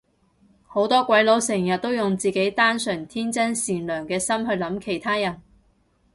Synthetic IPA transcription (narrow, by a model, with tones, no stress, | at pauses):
ho˨˥wt̪ɔː˥kʷɐ˨˥jlo˨˥wsɛː˨˩ŋjɐ˨t̚t̪ːo˥wjʊ˨ŋt͡siː˨ke˨˥jt̪aː˥nsœː˨˩ŋt̪ʰiː˥nt͡sɐ˥nsiː˨nlœː˨˩ŋkɛː˧sɐ˥mhɵ˧ɥlɐ˨˥mkʰe˨˩jt̪ʰaː˥jɐ˨˩n